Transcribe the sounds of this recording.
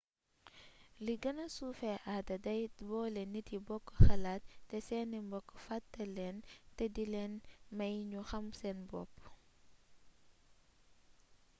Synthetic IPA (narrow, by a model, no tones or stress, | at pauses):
liɡɐnɐsufɛʔadɐdɐjbɔːlɛnːitibɔkːxɐlaːtːɛsɛnɛmbɔkːfatːɐlɛntɛdilɛnmɐjɲuxɐmsɛnbɔ̰pː